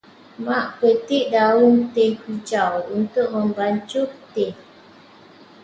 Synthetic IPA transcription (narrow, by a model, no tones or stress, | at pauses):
maʔpət̪iʔdauŋt̪eŋkut͡ʃawunt̪ʊʔ̚mə̃mbaɲt͡ʃʊkt̪e